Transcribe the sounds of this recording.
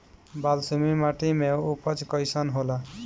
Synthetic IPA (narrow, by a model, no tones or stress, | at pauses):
balsumimaʈimeupʰʌt͡ʃkʌjsʌnɦola